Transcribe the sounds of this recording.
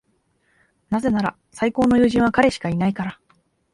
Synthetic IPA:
naze̞naɾa̰ | saiko̞ːno̞jɯ̟ːʑĩɰ̃βakaɾe̞ɕi̥kainaikaɾa

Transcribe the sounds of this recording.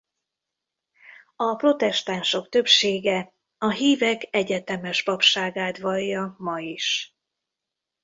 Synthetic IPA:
ɒpro̞t̪ɛʃt̪aːnʃo̞kt̪ø̞pʃeːɡɛ | ɒɦiːvɛkɛɟɛt̪ɛmɛʃpɒpʃaːɡaːt̪vɒjːɒmɒiʃ

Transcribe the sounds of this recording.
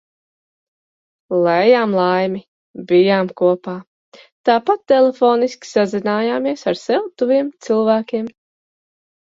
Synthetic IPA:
lˠɛjaːmlˠajmi | bijaːmkuɔpaː | t̪aːpat̪ːɛlˠefoːniskʲi̥sazinaːjaːmiɛsaɾsɛwt̪uviɛmt̪silˠvæːkʲiɛm

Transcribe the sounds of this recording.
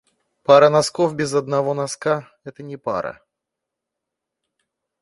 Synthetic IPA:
paɾənɐskofbʲɪzɐd̪nɐvo̞nɐska | ɛt̪ənʲɪpa̰ɾə̰

